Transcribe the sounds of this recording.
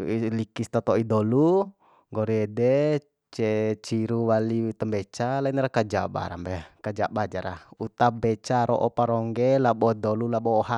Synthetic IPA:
ilikist̪at̪ɔidɔlu | ŋɡɔɾiɛdɛ | t͡ʃɛt͡ʃiɾuwalit̪əmbɛt͡ʃalainaɾakad͡ʒaba̰ɾa̰mbɛkad͡ʒabad͡ʒaɾa̰ut̪abɛt͡ʃaɾɔʔɔpaɾɔŋɡɛlabɔdɔlulaɓɔːɦa

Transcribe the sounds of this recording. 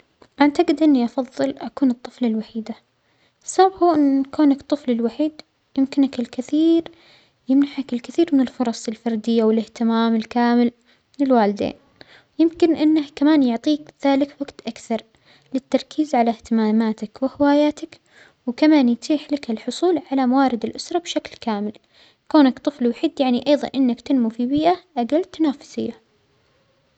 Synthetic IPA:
ʔant̪aɡɪd̪ʔɪnːiʔɑfɑðˤːɨlʔakuːnɨt̪ˤːɨflalwaħiːd̪a | sˤːɑbhuːʔɪnkuːnakt̪ˤːɨflɪlwaħiːd̪ | jɪmkɪnɪkɪlkɪθiːɾ | jɪmnaħakɪlkɪθiːɾmɪnɪlfʊɾˤɑsˤɪlfɑɾˤd̪ɪjːawɪlɪht̪ɪmaːmɪlkaːmɪl | mɪnɪlwaːlɪd̪ḛːn | jɪmkɪnʔɪnːahkamaːnjʊʕt̪ˤiːkðaːlɪkwaɡt̪ʔakθɑɾˤ | lɪt̪ːɑɾˤkʰiːzʕalaht̪ɪmaːmaːt̪akwɪhɪwaːjaːt̪ak | wkamaːnjt̪ʰiːħlakɪlħʊsˤuːlʕalamawaːɾɪd̪ɪlʔʊsɾˤɑbʃaklkaːmɪl | koːnakt̪ˤɨflwħɪd̪jaʕniʔɑjðˤɑ̰nʔɪnːakt̪ɪnmufibiːʔaʔaɡalt̪ːanaːfʊ̥sɪjːa

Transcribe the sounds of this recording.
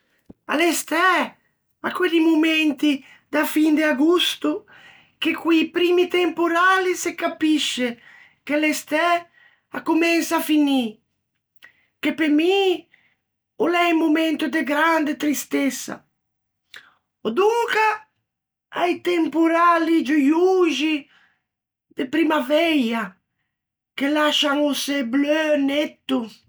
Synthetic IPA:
a̰lest̪ɛ | a̰kːweʎːimomɛnt̪i | d̪afind̪eaɡust̪u | k̟ekːwipɾiːmit̪empoɾaːlisekːapiʃːe | k̟ealest̪ɛ | akːomɛnsafini | k̟epːemi | olɛjmumɛnt̪ʊd̪eɡɾand̪et̪ɾist̪ɛsa̰ | od̪uŋka | a̰jt̪eɛmpoɾalid͡ʒujuʒi | d̪epɾimavɛja | kelaʃaŋoseblønɛt̪ːʊ

